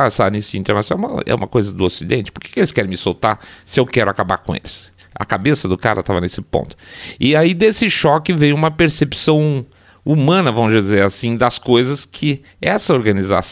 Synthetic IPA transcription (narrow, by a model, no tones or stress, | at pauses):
asanisʊĩt̪eɾnasjõɛ̃uma̰ɛ̰ũmɐkojzɐd̪ʊosid̪ẽnt͡ʃɪ̥pʊɾke̥kɪelɪskɛɾẽj̃mɪsowt̪aɾsɪewkɛɾʊakaba̰ɾkõḛlɪs | ɐ̰kabesɐd̪ʊka̰ɾɐt̪avɐnesɪpõ̰nt̪ʊ̥ɪaid̪esɪʃɔkɪvẽj̃ũmɐpeɾsepsɐ̃w̃ | umɐ̃nɐvɐ̃mʊzd͡ʒɪzeɾasĩd̪ɐskojzɐskʰɪ | ɛsɐoɾɡɐniza̰s